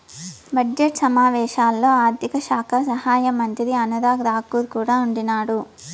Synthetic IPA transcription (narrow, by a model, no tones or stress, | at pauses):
bɐd͡ʒd͡ʒeʈsɐmaːʋɛːʃaːlːo̞ːaːɾd̪ikɐʃaːkʰɐsɐhaːjɐmɐnt̪id̪iɐnɐd̪aːɡɾaːkːuːɾkuːɽaːuɳɖinaːɽu